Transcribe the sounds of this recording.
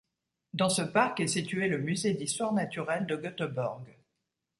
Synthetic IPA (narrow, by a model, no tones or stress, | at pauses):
d̪ɑ̃səpaʁkɛsit̪yeləmyzed̪ist̪waʁnat̪yʁɛld̪əɡɔt̪əbɔʁɡ